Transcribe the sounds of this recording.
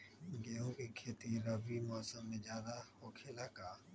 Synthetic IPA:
ɡeːõːkiːkʰeːt̪iɾəbiːmoəsəmːẽːd͡ʒjaːd̪ahoːkʰelakaː

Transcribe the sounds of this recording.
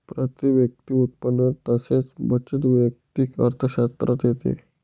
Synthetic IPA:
pɾat̪iʋjək̚t̪iut̪̚pənːət̪əset͡sbət͡ɕət̪ʋjək̚t̪ikə̰ɾt̪ʰəɕast̪ɾat̪jet̪ḛ

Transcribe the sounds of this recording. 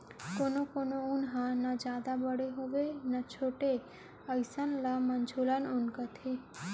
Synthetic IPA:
konokonounɦãnad͡ʒad̪abəɽeɦoʋenat͡ʃʰoʈe | əjsanlamənd͡ʒʰulanunkət̪ʰe

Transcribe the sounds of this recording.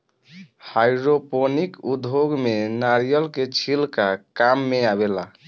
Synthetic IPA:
hajɾoponikud̪ʱɦoɡmenaɾijəlket͡ʃʰilkakamːeabela

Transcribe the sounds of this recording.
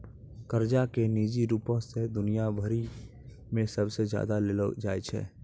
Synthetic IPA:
kəɾd͡ʒakeniːd͡ʒiɾuːpõsed̪ʊnijabʱəɾi | mẽsəbsezja̰ːd̪aleləd͡ʒaːjt͡ʃʰɛ̰ː

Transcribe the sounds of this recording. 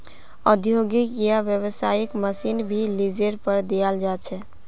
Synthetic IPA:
əd̪ʱjoɡikɡijabjəβəsajikməsinbʱilid͡ʒeɾpəɾd̪eald͡ʒat͡ʃʰɛ

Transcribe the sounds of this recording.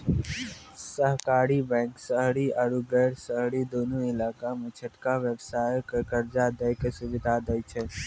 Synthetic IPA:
səɦkaːɾibɛ̃ːŋksəɦɽiʔəɾuɡɛːɾsəɦɽid̪oːnũɪlaːkamẽt͡ʃʰəʈkaʋjəbsaːjkekəɾd͡ʒad̪əjkesʊʋɪd̪ʱad̪əjt͡ʃʰɛ

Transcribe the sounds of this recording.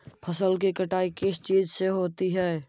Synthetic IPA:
pʰəsəlkikəʈaːikɪst͡ʃiːzseɦoːt̪iɦɛː

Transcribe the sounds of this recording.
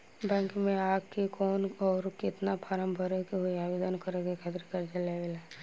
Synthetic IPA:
bɛ̃ːŋkmẽaːkkikɔːnɔːɾkɪt̪napʰaɾəmbʱəɾekeɦojaːʋed̪ənkəɾekekʰət̪ɾkəɾd͡ʒəleʋela

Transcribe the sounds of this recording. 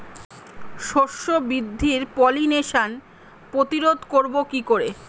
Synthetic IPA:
ʃoʃːobɾid̪ʱːiɾpɔlineʃan | pɾot̪iɾod̪ʱkoɾbokikoɾe

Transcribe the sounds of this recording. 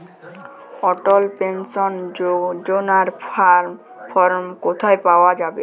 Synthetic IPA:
ɔʈɔlpensɔnd͡ʑonaɾ | pʰɔɾmkot̪ʰaepaoad͡ʑabe

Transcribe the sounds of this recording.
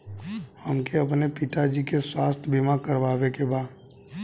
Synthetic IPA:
həmkeɐpnepɪt̪ad͡ʒikeswaːst̪ʰbɪmakəɾʋaːʋekebaːd̪

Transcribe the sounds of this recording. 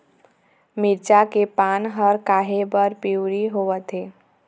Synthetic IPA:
mɪɾt͡ʃakepaːnɦəɾkaːɦebəɾpiʊɾiɦoːʋət̪ɦeː

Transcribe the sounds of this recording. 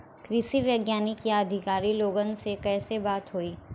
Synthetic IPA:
kɾɪʃiʋjəɡjaːnikiad̪ʱɪkaːɾiloːɡənsekɛːsebaːt̪ɦoːiː

